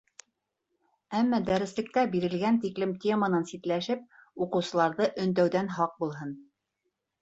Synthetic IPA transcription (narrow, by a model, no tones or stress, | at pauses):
æmːæd̪æɾɘ̆slɘ̆k̚t̪æbiɾɘ̆lɡænt̪iklɘmt̪ʲemənɤnsit̪læʃɘp̚uqɤ̆wsɤ̆lˠɑɾðɤʔɵ̆nd̪æwðænɦɑq̚bulˠɦɤn